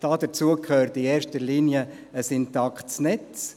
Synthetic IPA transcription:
d̥ɑːd̥ət͡suəkʰhøːɾtieːɾʃtəɾliːnijə | əsɪntɑktt͡snɛt͡s

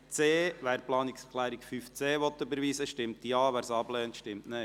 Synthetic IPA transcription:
t͡seːʋæːɾplɑːnikskʰlæːɾikfyft͡seːʋɔt̪ːøbəɾʋiːsəʃtɪmt̪iɑːʋæːɾsɑblɛːntʃtɪmtnɛ

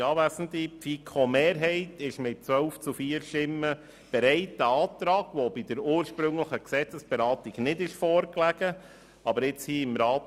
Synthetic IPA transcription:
ɑːvæsən̩t̪ifikʰomeːɾɦɛɪtɪʃmɪt̚t͡sʋœlft͡sufiːəɾʃtɪmːə | b̥ɛɾɛɪtəɑːt̪ɾɑːɡ̥ʋɔbidəɾuːəɾʃpɾɵŋləχəksɛt͡səsb̥ɛɾɑːtiɡnɪdɪʃfɔːɾklæɡə | ɑbəɾɪt͡shiːɪmɾɑːt

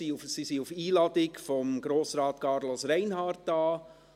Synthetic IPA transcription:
iufsisiufiːlɑdɪkfɔmɡɾoːsɾɑːtkʰɑːɾlosɾɛɪnɦɑːɾt̚d̥ɑː

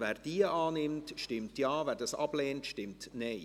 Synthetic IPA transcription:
vɛːɾd̥iəʔɑːnɪmtʃtɪmtjɑːvɛːɾdɑsɑ̰b̥leːntʃtɪmtnɛɪ

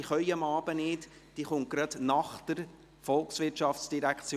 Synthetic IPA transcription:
iχœʏəmɑːb̥ənɪːt | d̥iːχʊŋt̚ɡ̥ɾɑd̥nɑχd̪̥əɾ | fɔlˠksʋɪtʃɑft͡sd̥iɾækʰt͡s

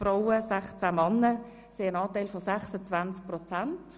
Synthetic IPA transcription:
fraʊəsɛχt͡samɑnːə | seːənɑːtaɪlfɔsaχsət͡svant͡sk̚prɔt͡sant

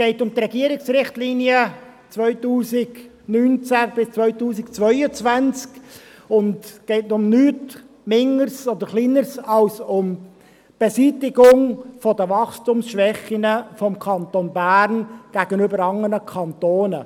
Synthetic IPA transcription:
ɡ̥ɛɪtʊmt̪rɾɛɡiːəɾɪksɾɪχtliːniə | t͡svœʏtuːsɪɡ | nyːnt͡sæb̥ɪst͡svœʏtuːsɪkt͡svœʏət͡svænt͡sk | ʊndɡ̥ɛɪtnʊmnyːt | mɪŋəɾsɔd̪əɾχliːnəɾsɑlsʊm | b̥ɛsiːtɪɡʊŋfɔdəvɑχstʊmsʃʋɛχinəfɔmkʰɑnt̪onbæːɾnɡ̥æɡ̥ənøbəɾɑŋːənəkʰɑnt̪oːnə

